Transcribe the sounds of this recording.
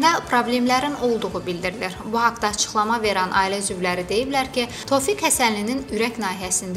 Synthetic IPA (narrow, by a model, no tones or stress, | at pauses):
d̪æpʰɾo̞blʲe̞mlæɾino̞lˠd̪uʁubild̪iɾiliɾbuhɑkd̪ɑːt͡ʃʰɯ̥χlˠɑmɑve̞ɾænʔɑ̰ːilæzyvlæɾid̪e̞jiblæɾcʰi | t̪ʰo̞fikhæsænlininyɾæcnɑːɦiæsind̪æ